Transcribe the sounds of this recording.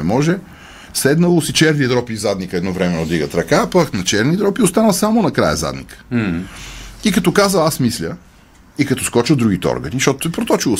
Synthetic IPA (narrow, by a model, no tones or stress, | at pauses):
ɛmɔʒɛ | sɛd̪nəlˠosit͡ʃɛɾniəd̪ɾɔpizad̪nikəɛd̪nɔvɾɛmɛnod̪iɡət̪ɾɐkapaknɐt͡ʃɛɾnid̪ɾɔpiost̪anəlˠsamonɐkɾa̰jə̰za̰d̪nḭkə̥ | ikɐt̪ɔkazəasmislʲə | ikɐt̪ɔ̥skɔt͡ʃəd̪ɾuɡ̟it̪ɛɔ̰ɾɡəniʃtɔt̪o̥ʊt̪ɛpɾot̪ɔt͡ʃilˠo